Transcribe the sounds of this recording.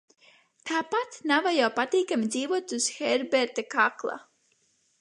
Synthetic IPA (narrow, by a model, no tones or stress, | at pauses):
t̪aːpat̪navajawpat̪iːkamʲid̪zʲiːvuɔt̪uz̥xɛɾbɛɾt̪akaklˠa̰